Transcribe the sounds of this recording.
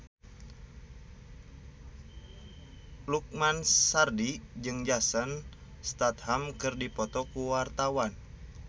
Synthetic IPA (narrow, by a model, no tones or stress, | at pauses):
luk̚mansardid͡ʒɨŋd͡ʒasan | st̪at̪̚hamkɨrdipɔt̪ɔkuwart̪awan